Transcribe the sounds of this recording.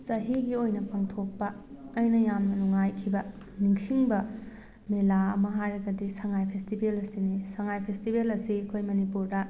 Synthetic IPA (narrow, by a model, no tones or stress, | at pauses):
sɐɦiɡiojnɐpʰaŋtʰok̚pɐː | jnɐjamnɐnuŋːajkʰibɐ | niŋsiŋbɐ | melaɐ̰mɐɦajɾɐɡɐdisɐŋajpʰestibelɐsinisɐŋajpʰestibelɐsiɐkʰojmɐnipuɾdɐ